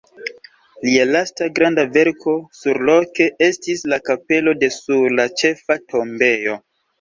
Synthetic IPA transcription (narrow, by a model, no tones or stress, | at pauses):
lialastaɡɾandave̞ɾkʰo̞suɾlo̞ke̞e̞stislakape̞lo̞de̞suɾlat͡ʃe̞fatʰo̞mbe̞jo̞